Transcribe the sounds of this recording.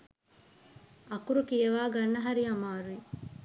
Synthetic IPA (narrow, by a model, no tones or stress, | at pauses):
ɐkuɾukijɐʋaːɡɐnːɐɦɐɾiɐmaːɾui